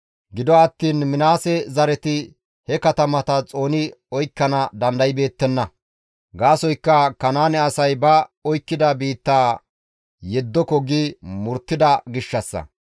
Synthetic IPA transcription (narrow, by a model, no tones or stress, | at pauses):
ɡɪd̪ɔɐt̪ːiːnmɪnaːsɛzɐɾɛt̪ɪ | hɛkɐt̪ɐmɐt̪ɐt͡sʼo̞ːnɪɔjkːɐnɐd̪ɐnd̪ɐjɪbe̞ːt̪ːɛnːɐ | ɡaːsɔjkːɐkɐnaːnɛɐsɐjbɐɔjkːɪd̪ɐbiːt̪ːaː | jɛd̪ːɔkɔɡimʊɾt̪ːɪd̪ɐɡɪʃːɐsːɐ̰